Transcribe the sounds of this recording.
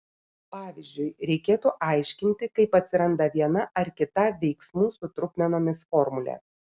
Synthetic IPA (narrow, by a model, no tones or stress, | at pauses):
pɑːʋʲɪzʲd͡ʒʲʊɪɾʲɛɪkʲeːt̪uːʔɑˑɪʃʲkʲɪnʲt̪ʲɪkɐɪpɐt̪ʲsʲɪɾɐnd̪ɐʋʲiɛnɐʔɐɾkʲɪt̪ɐʋʲɛɪksmuːsʊt̪ɾʊkʲmʲɛnoːmʲɪsfɔɾmʊlʲɛ̰